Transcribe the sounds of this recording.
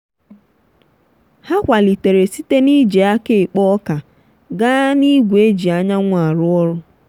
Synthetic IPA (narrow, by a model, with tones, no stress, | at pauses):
ha˦kʷa˨li˨te˨ɾe˨si˦te˦ni˦d͡ʒe˨a˦ke˦˨k͡pɔ˦ka˨ | ɡa˦ni˦ɡʷe˦d͡ʒi˨a˦ɲa˦ŋʷa˨ɾʊ˦ɔ˦ɾʊ˦